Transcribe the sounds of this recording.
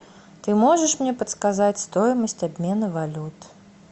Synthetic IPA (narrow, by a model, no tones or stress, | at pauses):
t̪ɨmɔʐɨʂmnʲɛpɐt̪skazat͡sʲst̪ɔjmɐsʲtʲt͡sʲabʲmʲɛnɨvalʲut̪